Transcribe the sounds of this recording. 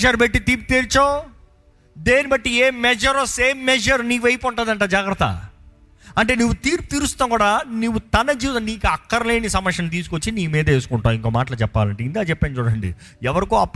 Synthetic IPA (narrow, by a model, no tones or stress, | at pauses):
d͡ʒɐɾbeʈːit̪iːp̬ut̪eːɾt͡ʃoː | d̪eːnibɐʈːieːmɛd͡ʒɐɾoseːmːɛd͡ʒɐɾniːkʋɐjpɔɳʈaːd̪ɐɳʈaːd͡ʒaːɡɾɐt̪ːɐ̰ | ɐɳʈe̞ːnuʋːut̪iːɾput̪iːɾust̪aːkuːɽaːnuʋːut̪ɐnɐd͡ʒiːʋɐt̪ɐniːkuɐkːɐɾɐle̞ːnisɐmɐkʂɐnt̪̬iːsu̥kot͡ʃːiniːmiːd̪ɐeːsu̥kuɳʈaːiŋkoːmaːʈɐlɐt͡ʃɛpːa̰ːlɐɳʈeind̪aːt͡ʃɛpːeːnt͡ʃuːɽɐɳɖḭ | ɛʋɐɾikoːɐpː